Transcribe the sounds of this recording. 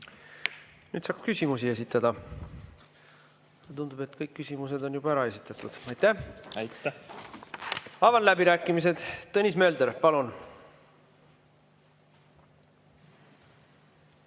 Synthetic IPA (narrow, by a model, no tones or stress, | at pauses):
nyːd̪sɑːkskysʲimusie̞sit̪ːˑɑd̪̥ɑ | ɑt̪und̪̥ub̥e̞t̪ːkɤjkːysimuse̞d̪o̞njub̥ɑæɾɑe̞sit̪ːˑɑt̪ˑud̪̥ɑjt̪ːæ | ɑvɑnlæbiɾæːkːˑimis̬e̞d̪̥t̪ɤnʲisme̞ːld̪eɾpɑlun